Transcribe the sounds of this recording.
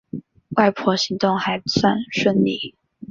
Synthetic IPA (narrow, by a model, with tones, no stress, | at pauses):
wa˥˧ɪpʰwɔ˥ɕi˧˥ŋt̪ʊ˥˩ŋxa˧˥ɪ˦swa˥˧nʂə˥˧nli˥˩